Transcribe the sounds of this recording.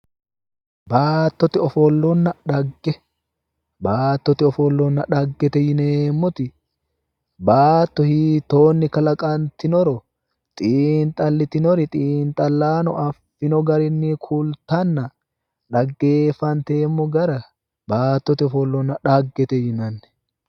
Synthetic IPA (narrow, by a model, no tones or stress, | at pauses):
baːt̪ːɔt̪ɪɔfɔlːɔnːɐᶑɐɡːɛ | baːt̪ːɔt̪ɪɔfɔlːɔnːɐᶑɐɡːɛt̪ɛjɪneːmːɔt̪ɪ | baːt̪ːɔhiːt̪ːoːnːɪkɐlɐkʼɐnt̪ɪnɔɾɔ | t̪ʼiːnt̪ʼɐlːɪt̪ɪnɔɾɪt̪ʼiːnt̪ʼɐlːaːnɔʔɐfːɪnɔɡɐɾɪnːikʰult̪ɐnːɐ | ᶑɐɡːe̞ːfːɐnt̪eːmːɔɡɐɾɐ | baːt̪ːɔt̪ɪɔfɔlːɔnːɐᶑɐɡːɛt̪ɛjɪnɐnːɛ̥